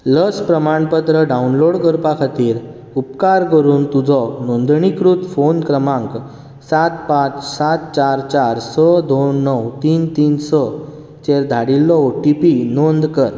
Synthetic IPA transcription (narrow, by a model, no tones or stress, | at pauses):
ləspɾəmaɳpət̪ɾəɖaunloɽkəɾpakʰat̪iːɾ | upkaɾkəɾuːnt̪ud͡zɔnond̪ɳikɾut̪fonkɾəmãŋk | sat̪pãt͡ssat̪̚t͡ɕaɾt͡ɕaɾsɔd̪onːɔwt̪iːnt̪iːnsɔ | t͡ɕeɾd̪ʱaɽilːɔʈipinond̪kəɾ